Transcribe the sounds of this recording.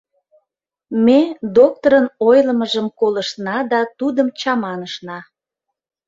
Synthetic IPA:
med̪ok̚t̪oɾənojləməʒəmkoləʃnɑd̪ɑt̪ud̪əmt͡ɕɑmɑnəʃnɑ

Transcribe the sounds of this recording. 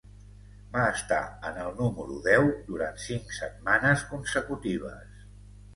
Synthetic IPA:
baəst̪a̰ənəlˠnuməɾuðɛwd̪uɾant̪siŋksət̪̚manəskunsəkut̪iβ̞ə̰s

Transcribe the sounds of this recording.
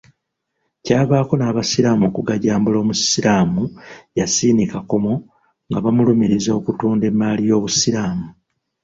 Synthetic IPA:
caːβaːko̞naːβasiɾaːmukuɡaɟaːmbulo̞ːmusiɾaːmujasiːnikako̞mo | ŋɡaβamulumiɾizokutuːnde̞mːalijo̞ːβusiɾaːmu

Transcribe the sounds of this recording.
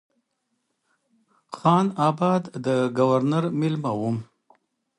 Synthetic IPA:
xɑnɑbɑd̪d̪əɡawaɾnaɾmɪlmawum

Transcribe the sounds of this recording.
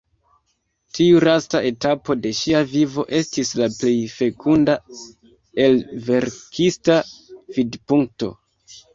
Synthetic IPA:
tʰiuɾastaʔe̞tapo̞de̞ʃiavivo̞̰ʔe̞stislaple̞jfe̞kʰunda | e̞lve̞ɾkʰistavidpuŋk̚to̞̰

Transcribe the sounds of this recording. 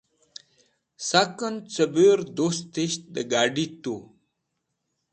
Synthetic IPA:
sakənt͡səbeɾd̪ost̪eɕ̚d̪əɡaːɖit̪u

